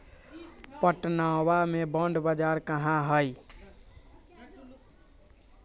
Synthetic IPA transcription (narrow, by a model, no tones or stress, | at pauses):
pəʈnawamebəɳɖbəd͡ʒaɾkəɦãɦəj